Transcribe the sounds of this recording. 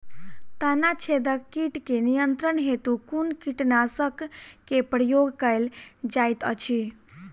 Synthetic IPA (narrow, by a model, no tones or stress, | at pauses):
t̪anat͡ʃʰed̪əkkːiʈkenijənt̪ɾənɦet̪ukunkiʈnasəkːepɾəjoɡkəeld͡ʒajt̪ə̰t͡ʃʰi